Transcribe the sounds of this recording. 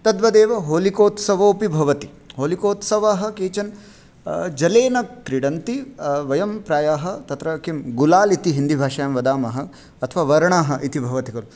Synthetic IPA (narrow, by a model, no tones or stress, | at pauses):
t̪ɐd̪ʋɐd̪eːʋɐɦoːlikoːt̪sɐʋoːpibʱɐʋɐt̪i | ɦoːlikoːt̪sɐʋaːɦɐ̆keːt͡ʃɐn | d͡ʒɐleːnɐkɾiɽɐnt̪iʋɐjɐmpɾaːjaːɦɐt̪ɐt̪ɾɐkimɡulaːlit̪iɦind̪ibʱaːʃɐjaːmʋɐd̪aːmɐɦɐ̆ | ɐt̪ʰɐʋaːʋɐɾɐɳaːɦɐ̆ʔit̪ibʱɐʋɐt̪ikɐɾu